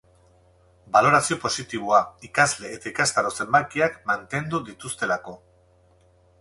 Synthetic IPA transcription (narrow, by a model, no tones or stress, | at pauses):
balo̞ɾasio̞po̞sit̪iβ̞uaikazle̞ːt̪aikast̪aɾo̞se̞mbajkiakmant̪e̞nd̪uðit̪ust̪e̞lako̞